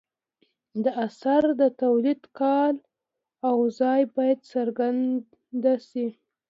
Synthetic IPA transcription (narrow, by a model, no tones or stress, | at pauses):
d̪əʔasaɾd̪ət̪awlid̪kɑl | awzɑjbɑjad̪səɾɡan | d̪asi